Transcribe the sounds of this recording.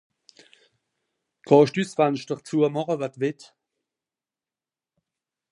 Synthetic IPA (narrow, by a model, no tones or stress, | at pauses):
kʰɔːʃtysvanʃtəχt͡suɐmɔχəvatvɪt